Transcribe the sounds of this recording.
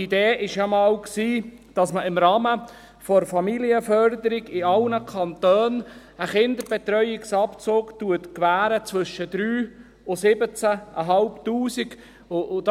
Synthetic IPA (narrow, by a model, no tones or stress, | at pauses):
ideːɪʃjɑmɑːlksiːd̥ɑsməɪmɾɑːmə | fɔɾfɑmiliəfœɾd̪əɾiɡɪɑlnəkʰɑnt̪øːn | əχɪnd̪əɾb̥ɛt̪ɾœʏɪksɑpt͡soːktuətkʋæːɾət͡svɵʃːəd̪̥ɾyː | ʊsɪbət͡sæʔə̰ɦɑlptuːsiɡ | ʊʊd